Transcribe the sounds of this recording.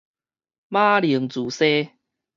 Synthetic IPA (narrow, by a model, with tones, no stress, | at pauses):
mã˦li˨˩ə˦ŋt͡su˨˩˦se˦